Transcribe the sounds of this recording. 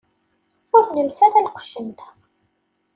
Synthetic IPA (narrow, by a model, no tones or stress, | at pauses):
ʊɾθnəlsæθælqʷʃənt̪